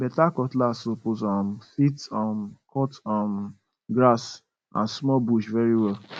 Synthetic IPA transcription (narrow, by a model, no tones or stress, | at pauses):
bɛtakɔtlasoposɔmfitɔmkʰɔtɔm | ɡɾas | ã̰nsmɔbuʃvɛɾiwɛl